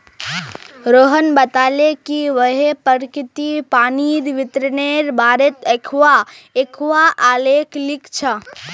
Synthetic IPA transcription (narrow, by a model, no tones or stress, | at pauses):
ɾoːɦənbət̪aːlekiʋəɦepəɾkɪt̪ipaːniɾʋɪt̪ɾəneɾbaːɾet̪ekʰʋaekʰʋaʔaleklikt͡ʃʰə